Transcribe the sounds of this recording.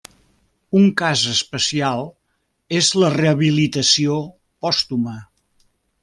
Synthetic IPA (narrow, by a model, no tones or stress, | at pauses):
uŋkazəspəsialˠ | ezləreəβilit̪əsio | pɔst̪umə